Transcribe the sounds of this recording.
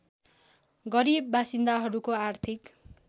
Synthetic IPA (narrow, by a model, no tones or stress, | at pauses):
ɡʌɾibːasind̪aɦʌɾukoart̪ʰik